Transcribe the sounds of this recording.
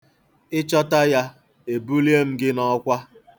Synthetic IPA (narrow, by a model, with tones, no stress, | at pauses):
ɪ˦t͡ʃɔ˦ta˦ja˦ | e˨bu˦li˦e˦m̩˦ɡɪ˦nɔ˦kʷa˦